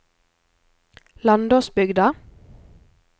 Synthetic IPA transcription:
lɑnd̪oːsbʏɡd̪ɑ

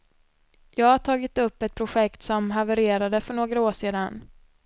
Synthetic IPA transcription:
jɑːɡhaʈʰɑːɡɪt̪ɵpːɛt̪̚pʰɾʊɧɛkt̪sɔmɦavəɾeːɾad̪əfœɳoːɡɾaoːʂeːd̪an

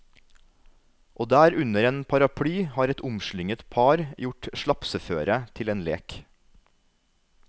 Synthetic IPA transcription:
ʔoːd̪æːɾʉnəɾeːnpʰɑɾɑpʰɽyːhɑːɾɛt̪ʊmʃɭʏŋət̪pʰɑːɾjʊʈʃɭɑpsəføːɾət̪ʰɪleːnlḛːk

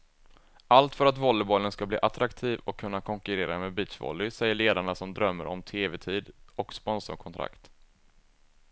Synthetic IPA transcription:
ʔalt̪fœɾat̪vɔlːɪbɔlːənskablḭːʔat̪ɾakt̪ʰiːvɔkʰːɵnːakʰɔŋkɵɾeːɾameːbiːt͡ʃvɔ̰lːɪsɛjːəɭeːd̪aɳasɔmd̪ɾœmːəɾɔ̰mt̪ʰeːvɛt̪ʰiːd̪ɔkspɔnsɔ̰ɾkʰɔnt̪ʰɾa̰kt̪

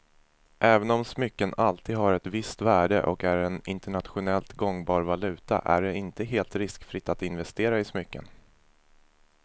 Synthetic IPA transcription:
ʔɛːvənɔmsmʏkːənalt̪ʰiːd̪ɦaɾɛt̪vɪst̪væːɖə̰ʔɔ̰kæɾɛnɪnt̪ɛɳat̪ɧʊnɛlt̪ɡɔŋːbɑːɾvalʉ̟ːt̪a̰ʔæ̰ɖɛɪnt̪əɦeːlt̪ɾɪskfɾɪt̪ːat̪ɪnvɛst̪eːɾaɪsmʏkːə̰n

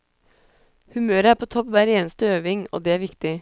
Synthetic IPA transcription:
hʉmøːɾəæːɾpʰoːt̪ʰɔpʋæːɾeːnəst̪əøːʋɪŋo̰ːd̪ɛːæːɾʋɪkt̪ɪ

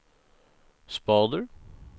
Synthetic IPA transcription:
spɑːd̪əɹ

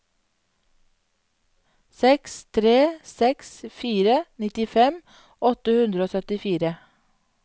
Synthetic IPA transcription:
sɛkst̪ʰɾeːsɛksfiːɾənɪt̪ɪfɛm | ʔɔt̪əhʉnd̪ɾəoːsœt̪ɪfiːɾə

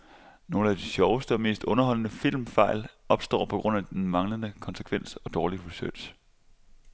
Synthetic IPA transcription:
no̝ːl̩æd̥iɕɒʊəsd̥əɒ̽me̝̰ːsd̥ɔ̽nɐɦɒ̽l̰ənəfil̰mfɑ̈ɪ̰lɒ̽b̥sd̥ɒ̰ːpʰɒ̽ɡ̥ʁɔ̽n̰æd̥enmɑ̈ŋlənəkʰɒ̽nsə̥kʰʋen̰sɒ̽d̥ɒːliʁisølɕ

